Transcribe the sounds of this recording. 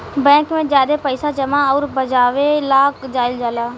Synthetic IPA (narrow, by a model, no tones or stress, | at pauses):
bɛ̃ːkmẽːd͡ʒjaːd̪eːpəɪsaːd͡ʒəmaːɔːɾbəd͡ʒaːʋelaːkd͡ʒaːɪld͡ʒaːlaː